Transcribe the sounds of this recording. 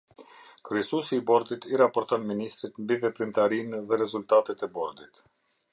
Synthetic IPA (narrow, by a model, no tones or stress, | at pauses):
kɾyɛsusiːbɔɾd̪it̪iɾapɔɾt̪ɔnminist̪ɾit̪mbivɛpɾimt̪aɾinðɛɾɛzult̪at̪ɛt̪ɛbɔɾd̪it̪